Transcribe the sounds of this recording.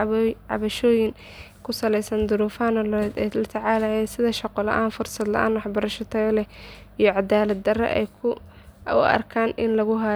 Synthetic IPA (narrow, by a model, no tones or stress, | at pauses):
ʕɑ̰βɐʃɔːjɪŋ | kʰʊsɐlɛjsɐnd̪ʊɾuːfaːnɔld̪ɛlɐt̪ʰɐʕɑːlɐjɛːnsɪðɐʃɑqɔlɐ̰ʔaːnfʊrsɐd̪lɐ̰ʔa̰ːnwɑħbɐɾɐʃɔt̪ʰɐɣɐlɛijɔʕɑd̪aːlɐd̪̚d̪ɐrɐ̰ʔɛ̰jkʰʊ | ʊ̰ɐ̰rkʰaːnʔɪnlɐɣʊɦa